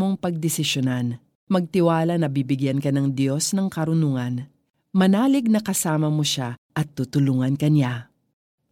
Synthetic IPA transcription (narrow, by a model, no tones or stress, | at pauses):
o̞ŋpɐɡ̚d̪ɛsɪʃonan | mɐɡ̚t̪ɪwaːlɐnɐbibɪɡjankɐnɐŋd̪jo̞snɐŋkɐɾʊnuŋɐn | mɐnaːlɪɡ̚nɐkɐsaːmɐmoʃaʔɐt̪ːut̪ʊluŋɐnkɐnɪa